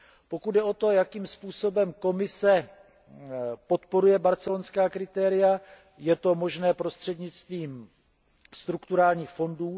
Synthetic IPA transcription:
po̞kud̪̚dɛo̞t̪o̞jakiːmspuːso̞bɛmko̞mɪsɛ | po̞t̪po̞ɾujɛbaɾt͡sɛlonskaːkɾɪt̪ɛːɾɪja | jɛt̪o̞mo̞ʒnɛːpɾo̞st̪r̝̥ɛdɲɪt͡st̪viːm | st̪ɾukt̪uɾaːlɲiːxfo̞nduː

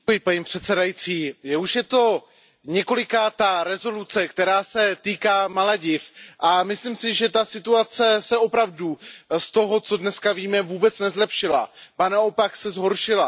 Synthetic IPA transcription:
ujɪpaɲiːpr̥ɛt̪sɛdajit͡siːjɛuʃjɛt̪o̞ | ɲɛko̞lɪkaːt̪aɾɛzo̞lut͡sɛkt̪ɛɾaːsɛt̪iːkaːmalaɟɪfʔamɪsliːmsɪʒɛt̪asɪt̪uat͡sɛsɛo̞pɾavdust̪o̞ɦo̞t͡so̞dnɛskaviːmɛvuːbɛt͡snɛzlɛpʃɪla̰banaopaksɛzɦo̞ɾʃɪla

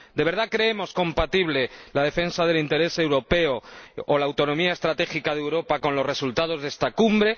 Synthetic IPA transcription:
d̪e̞β̞e̞ɾðakɾe̞emo̞sko̞mpat̪iβ̞le̞lað̞e̞fe̞nsaðe̞lint̪e̞ɾe̞se̞wɾo̞pe̞oːlaːwt̪o̞nõ̞miae̞st̪ɾat̪e̞xikað̞ewɾo̞pako̞nlo̞zre̞sult̪að̞o̞zðe̞st̪akumbɾe̞

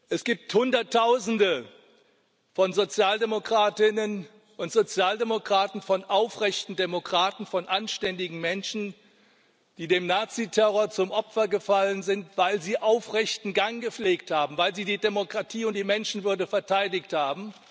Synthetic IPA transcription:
ʔɛsɡ̥iːp̚thʊndɐtʰːaʊzn̩də | fɔnzot͡sjaːldemokʁ̥aːtɪnən | ʔʊntz̥ot͡sjaːldemokʁ̥aːtn̩fɔnʔaʊfʁɛçtn̩demokʁ̥aːtn̩fɔnʔanʃtɛndɪɡŋ̩mɛnʃn̩ | d̥iːdeːmnaːt͡sitʰɛʁoːɐt͡sʊmʔɔpfɐɡəfalənzɪntv̥aɪlziːʔaʊfʁɛçtn̩ɡaŋɡəp͡fleːkthaːbm̩vaɪlziːdiːdemokʁ̥atʰiːʊnt̚d̥iːmɛnʃn̩vʏɐdəfɛɐtʰaɪdɪkthaːbm̩

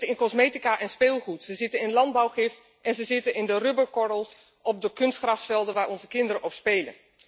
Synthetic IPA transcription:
əɪnkɔzmejtikaːʔɛnspeːlˠχutsəzɪtənɪnlɑnd̚bɑwχɪf | ʔɛnzəzɪtənɪndərʏbəɹkɔdəlˠs | ɔb̚dəkɵnstχrɑftfɛlˠdənʋaːɹʔɔnzəkɪndəɾənʔɔpspejlə̰n

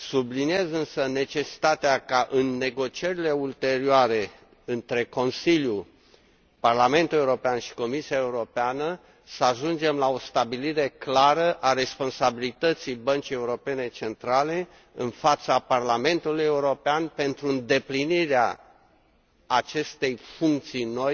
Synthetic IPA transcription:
sublinie̞zɨnsəne̞t͡ʃe̞si̥t̪at̪eakaʔɨnːe̞ɡo̞t͡ʃie̞ɾile̞ult̪e̞ɾioaɾe̞ | ɨnt̪ɾe̞ko̞nsilju | parlame̞nt̪ule̞uɾo̞peanʃi̥ko̞misiaeuɾo̞peanə | səaʒund͡ʒe̞mlao̞st̪abiliɾe̞klaɾəʔaɾe̞spo̞nsabilit̪ət̪sijbənt͡ʃije̞uɾo̞pe̞ne̞t͡ʃe̞nt̪ɾale̞ | ɨ̰nfat̪saparlame̞nt̪uluje̞uɾo̞peanpe̞nt̪ɾuɨnd̪e̞pliniɾea̰ | at͡ʃe̞st̪e̞jfuŋk̚t̪sijno̞j

